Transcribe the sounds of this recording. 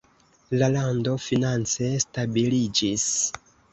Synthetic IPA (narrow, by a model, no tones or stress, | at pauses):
lalando̞finant͡se̞stabilid͡ʒis